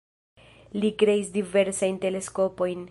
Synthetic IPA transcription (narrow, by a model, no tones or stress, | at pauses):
likɾe̞isdive̞ɾsajnte̞le̞sko̞po̞jn